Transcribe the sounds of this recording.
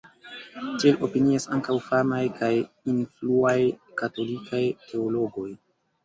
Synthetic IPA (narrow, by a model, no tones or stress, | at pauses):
tielʔo̞piniasaŋkawfamajkaj | influajkato̞likajtʰe̞olo̞ɡo̞j